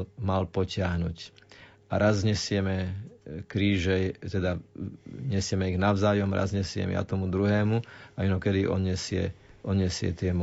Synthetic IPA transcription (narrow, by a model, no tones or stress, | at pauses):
malpɔcɪaɦnuːc | aɾazɲɛsɪɛmɛkɾiːʒɛjt̪ɛd̪a | ɲɛsɪɛmɛiɣnaʊzaːjɔmɾa̰zɲɛsɪɛ̰mɛ̰ja̰t̪ɔmud̪ɾuɦɛːmuainɔkɛd̪iʔɔ̰ɲɛsɪɛ̰ʔɔd̪ɲɛsɪɛ̰t̪ɪɛm